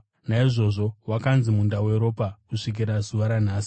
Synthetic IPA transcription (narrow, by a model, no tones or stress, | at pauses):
naiʐo̞ʐo̞wakanzimundawe̞ɾo̞pakuʂik̬iɾazuʋaɾan̤aːsi̥